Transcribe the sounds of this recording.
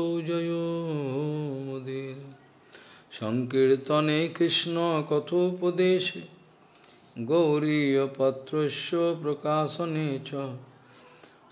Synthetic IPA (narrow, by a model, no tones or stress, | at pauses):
owd͡ʒɔjoɦomud̪iɾ | ʃɔŋkiɾt̪ɔnekɾiʃnɔkɔt̪ʰuːpɔd̪eːʃe | ɡowɾijɔpɔt̪ɾoʃjɔpɾokaːsɔnet͡ʃʰɔ